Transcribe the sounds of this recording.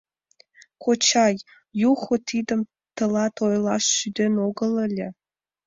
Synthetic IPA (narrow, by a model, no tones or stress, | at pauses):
kʷʰot͡ʃʰaj | juχʷʊtʰidɨm | tʰɨlɑtʰojlɑʃːyd̪ʲenoɡəlɐlʲe